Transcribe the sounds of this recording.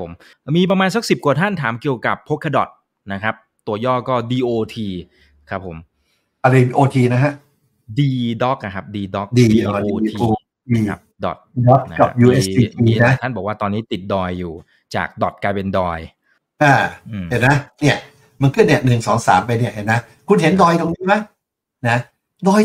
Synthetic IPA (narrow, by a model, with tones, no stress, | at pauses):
apʰːo˩˦m | miː˧p̬ɾa˧maː˧nsa˦˥k̚si˨˩p̚ku˨˩t̪ʰa˥˩nt̪ʰaː˩˦mki˨˩əwka˨˩pʰːo˦˥kʰːa˧dɔ̰˨˩t̪̚ | na˦˥kʰɾa˦˥p̚t̪u˧ɐjɔː˥˩kɔː˥˩diː˧ʔoː˧t̪ʰiː˧ | kʰɾa˦˥pʰːo̰˩˦m | ʔa˧ɾa˧jʔoː˧t̪ʰiː˧na˦˥ɦʰa˦˥ʔ | diː˧dɔ˦˥k̚ʔa˨˩kʰa˦˥p̚diː˧dɔ˦˥k̚diː˧˨˧oː˧oː˧ | iː˧˦˥dɔ̰˨˩t̪̚dɔ˦˥p̚n˦ka˨a˦˥p̚juː˧ʔe˦sʰi˧iː˧˦˥na˦˥a˥˩nbɔː˨˩kwaː˥˩t̪ɔː˧nːiː˦˥t̪i˨˩t̪̚dɔː˧jːuː˨˩ | t͡ɕa̰ː˨˩k̚dɔ˨˩t̪̚kaː˧jpe˧ndɔː˧j | ʔaː˧˩ʔɯː˧e˨˩na˦˥ni˥˩ɐ | ma˧nkʰɯ˥˩ni˥˩ənɯ˨˩ŋsɔː˩˦ŋsaː˩˦mpa˧jni˥˩ɐhe˨˩na˦˥ | kʰu˧nɦe˩˦ndɔː˧jt̪o˧ŋniː˦˥ma˦˥ | na˦˥ | dɔː˧j